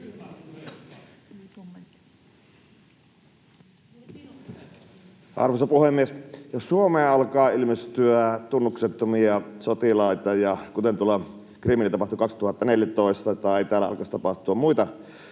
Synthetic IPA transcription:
ʔɑ̰rʋosɑpuhemːiesjossuomeɑlkɑːilmest̪yæt̪unːukset̪ːomiɑsot̪ilɑˑit̪ɑjɑkut̪ent̪uolɑ | kriminlit̪ɑpɑht̪ukɑkst̪uhɑt̪ːɑneljæt̪oˑest̪ɑt̪ɑˑeeit̪æːlːæɑ̰lkɑst̪ɑpɑht̪uɑmmuit̪ɑ

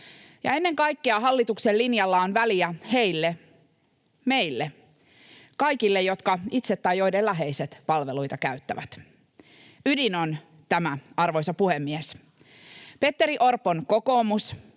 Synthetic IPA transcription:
jɑ̰e̞nːe̞ŋkɑjkːeɑɦɑlːit̪uksellinjɑlːɑonʋæliæhe̞jlːe | me̞ilːe | kɑjkilːe̞jo̞t̪kɑit̪set̪ːɑjo̞jdelːæɦe̞iset̪pɑlʋelujt̪ɑkæyt̪ːæ̰ʋæ̰t̪ | ydino̞n | t̪æmæɑrʋo̞jsɑpuhemːies | pe̞t̪ːe̞ɾiʔo̞rpːonko̞ko̞ːmus

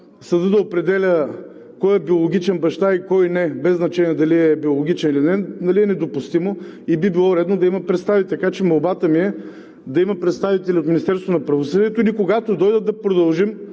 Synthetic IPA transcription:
sɐd̪əd̪ɐopɾɛd̪ɛlʲə | kɔjɛbiolˠoɡʲit͡ʃɛnbɐʃt̪aikɔjnɛbɛznɐt͡ʃɛniɛd̪ɐliɛbiolˠoɡʲit͡ʃɛnilinɛnɐliɛnɛd̪opʊst̪imoibibilˠɔɾɛd̪nod̪ɐimɐpɾɛt̪st̪avit̪t̪kat͡ʃɛmɐlˠbat̪əmiɛ | d̪ɐimɐpɾɛt̪st̪avit̪ɛlʲot̪minist̪ɛɾst̪vonɐpɾɐvosɤd̪iɛt̪ʊilikoɡat̪od̪ɔjd̪əd̪ɐpɾod̪ɐlˠʒim

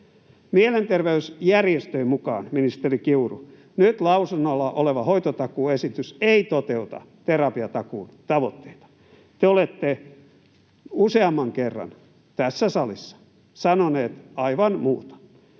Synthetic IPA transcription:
mielent̪erʋeysjærjest̪øimukɑ̰ːnminist̪erikiurṵ | nyt̪lɑusunːolːɑʔoleʋɑhoit̪ot̪ɑkuːesit̪yseit̪ot̪eut̪ɑ̰ | t̪erɑpiɑt̪ɑkuːnt̪ɑʋo̰t̪ːeit̪ɑ̥ | t̪eolet̪ːe | useɑmːɑŋkerːɑ̰n | t̪æsːæsɑlisːɑ̥ | sɑnoneːt̪ɑiʋɑnmuːt̪o̥

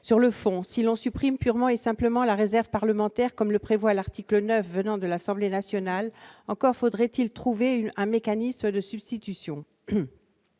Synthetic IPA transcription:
syʁləfɔ̃silɔ̃sypχimpyʁmɑ̃esɛ̃pləmɑ̃laʁezɛʁvpaʁləmɑ̃t̪ɛʁkɔmləpχevwalaʁt̪iklənœfvənɑ̃d̪əlasɑ̃blenasjɔnalɑ̃kɔʁfod̪ʁɛt̪ilt̪χuveɛ̃mekanisməd̪əsybst̪it̪ysjɔ̃

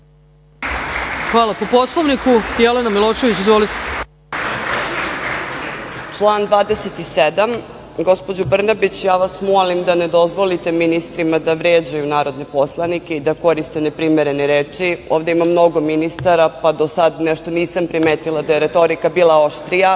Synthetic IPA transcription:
xʋaːlˠapoposlˠoʋnikujelenamilˠoːʃe̞ʋit͡ɕizvʋolit̪e̥ | t͡ʂlˠaːnd̪ʋaːd̪eset̪ised̪am | ɡo̞spo̞d͡ʑubr̩nabit͡ɕjaːʋasmolimd̪ane̞d̪o̞zʋo̞lit̪e̞minist̪ɾimad̪aʋɾjed͡ʑajunaːɾo̞d̪ne̞po̞slˠanikʲe̞id̪ako̞ɾist̪e̞ne̞pɾimeɾe̞neɾeːt͡ʂio̞ːvd̪eimamːno̞ɡo̞minist̪aɾapad̪o̞sad̪neʃt̪o̞niːsampɾimeːt̪ilˠad̪aje̞ɾe̞t̪o̞ɾikabiːlˠaoʃt̪ɾija

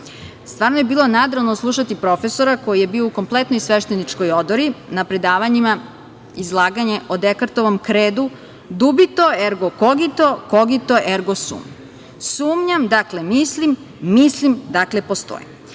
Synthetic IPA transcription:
st̪ʋaːɾnoje̞biːlo̞naːd̪ɾanoslˠuʃat̪ipɾo̞fe̞so̞ɾako̞jije̞biːouko̞mplet̪nojsʋeʃt̪enit͡ʃkojod̪oɾinapɾe̞d̪aːʋaɲima | izlˠaːɡaɲe̞ʔod̪ekaɾt̪oʋomkɾeːd̪u | d̪ubit̪oeɾɡokoɡit̪okoɡit̪oʔeɾɡosṵːm | suːmɲamd̪akle̞mislimː | islimd̪akle̞po̞st̪o̰jḭm

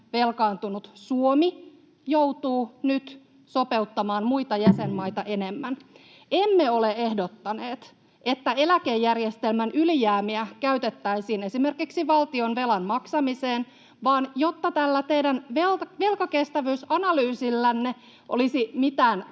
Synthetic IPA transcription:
ʋe̞lkɑːnt̪unut̪suomi | jowt̪uːnyt̪ | so̞pe̞ut̪ːɑmɑːnmuit̪ɑjæsenːɑit̪ɑʔenemːæn | emːeolee̞hdot̪ːɑneːt̪ | ʔe̞t̪ːæelækejːærjest̪elmænʔylijæːmiækæyt̪et̪ːæisiːne̞sime̞rkiksiʋɑlt̪io̞nʋe̞lɑnmɑksɑmiseːn | ʋɑːnjot̪ːɑt̪ælːæt̪eidænʋeʋe̞lkɑkest̪æʋyysɑnɑlyːsilːænːe | ʔo̰lisimit̪æːn

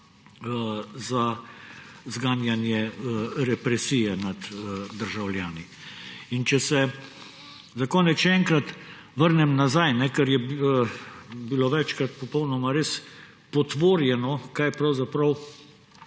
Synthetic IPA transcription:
za | zɡaːnjanjɛɾɛpɾɛsiːjɛnad̪d̪əɾʒawlʲjaːni | int͡ʃɛsɛ | zakɔːnɛtʃɛɛŋkɾat̪ | ʋəɾnɛmnazajnɛkɛɾjɛ | biloʋɛt͡ʃkɾat̪̚pɔpɔwnɔmaɾeːs | pɔt̪ʋoːɾjɛnɔkajpɾawzapɾɐw

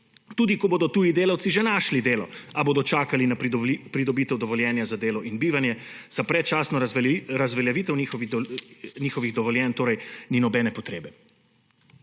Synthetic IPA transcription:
t̪uːd̪ikɔboːd̪ɔt̪uːjid̪eːlawtsiʒɛnaʃlid̪eːlɔaboːd̪ɔt͡ʃaːkalinapɾid̪ɔbiːt̪ɛwd̪ɔʋɔljɛːnjazad̪eːlɔʔinbiːʋanjɛzapɾɛt̪̚t͡ʃaːsnɔɾazʋɛljaʋiːt̪ɛwnixɔʋi | niːxɔʋiɣd̪ɔʋɔljɛːnt̪oːɾɐjninɔbɛːnɛpɔt̪ɾeːbɛ

